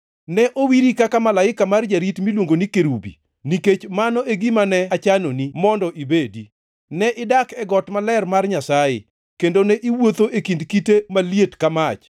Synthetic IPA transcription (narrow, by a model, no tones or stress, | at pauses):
nɛʔowiɾikakamalaɪkamard͡ʒaɾitmilwoŋɡonikeɾubḭ | niket͡ʃmanɔʔeɡimanɛat͡ʃanonimɔndɔʔibedi | nɛʔɪdakɛɡɔtmalɛrmarɲasajɪ̰ | kendonɛʔiwot̪oʔekindkitemaljetkamat͡ʃ